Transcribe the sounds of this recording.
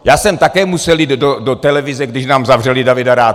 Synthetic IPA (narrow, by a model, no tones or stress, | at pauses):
jaːsɛmt̪akɛːmusɛliːd̪dodot̪ɛlɛvɪzɛɡdɪʃnaːmzavrɛlɪdavɪdaɾaː